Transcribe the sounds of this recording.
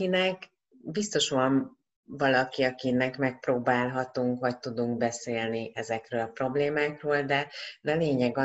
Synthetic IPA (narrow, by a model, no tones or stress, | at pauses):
inɛk | bist̪o̞ʃʋɒɱ | vɒlɒkiɒkinɛkmɛk̚proːbaːlɦɒt̪uŋkʋɒc̚t̪ud̪uŋk̚bɛseːlniʔɛzɛkrøːlɒpro̞bleːmaːkroːld̪ɛd̪ɛleːɲɛɡɒ